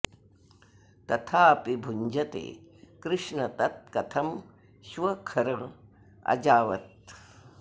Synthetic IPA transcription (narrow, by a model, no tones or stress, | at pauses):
t̪ɐt̪ʰaːɐpibʱuɲd͡ʒʱɐt̪ḛːkɾɨʂɳɐt̪ɐt̪̚kɐt̪ʰɐm | ʃʋɐkʰɐɾɐ | ɐ̰d͡ʒaːʋɐ̰t̪̚